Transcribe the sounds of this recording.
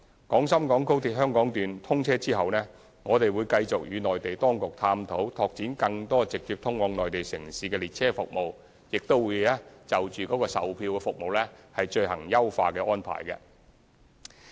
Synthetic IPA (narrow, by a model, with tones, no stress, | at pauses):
kɔː˨˥ŋsɐ˥mkɔː˨˥ŋko˥wt̪ʰiː˨t̚hɦœː˥ŋkɔː˨˥ŋt̪yː˨nt̪ʰʊ˥ŋt͡sʰɛː˥t͡siː˥hɐ˨wnɛː˥ | ŋɔː˨˧t̪e˨jwuː˨˧jkɐ˧jt͡sʊ˨k̚jyː˨˧nɔː˨jt̪e˨jt̪ɔː˥ŋkʊ˨k̚t̪ʰaː˧mt̪ʰo˨˥wt̪ʰɔː˧k̚t͡siː˨˥nkɐ˧ŋt̪ɔː˥t͡sɪ˨k̚t̪yː˧p̚t̪ʰʊ˥ŋwɔː˨˧ŋnɔː˨jt̪e˨jsɪ̰˨˩ŋsiː˨˧kɛː˧liː˨˩t̚t͡sʰɛː˥fʊ˨k̚mo˨w | jɪ˨k̚t̪o˥wuː˨˧jlɛː˥t͡sɐ˨˩wt͡ʃyː˨kɔː˨˥kɔː˧sɐ̰˨wpʰiː˧wkɛ˧fʊ˨k̚mo˨wlɛ˥hɐ˨jt͡ʃɵ˧ɥɦɐ̰˨˩ŋjɐ˥wfa̰ː˧kɛː˧ʔɔː˥npʰa̰ː˨˩jkɛ̰˧